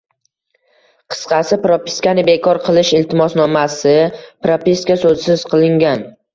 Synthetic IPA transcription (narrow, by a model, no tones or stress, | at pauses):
qʰɨ̥sqʰɑsɪpɾopi̥skanɪbekʰɒɾqʰɨlˠɪʃɪlt̪ʰɪmɒsnɒmasɪpɾopist̪kasɵzsɪz̥qʰɨlˠɪŋɡʲan